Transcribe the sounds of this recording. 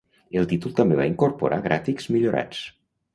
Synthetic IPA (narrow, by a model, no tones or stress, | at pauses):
elˠt̪it̪ulˠt̪ambeβaiŋkoɾpo̰ɾʔaɣɾʔafikzmiʎoɾʔa̰t͡s